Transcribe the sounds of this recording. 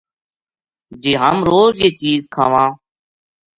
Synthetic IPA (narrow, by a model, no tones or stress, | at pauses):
d͡ʒeːɦəmɾoːzjeːt͡ʃiːzkʰa̰ːʋãː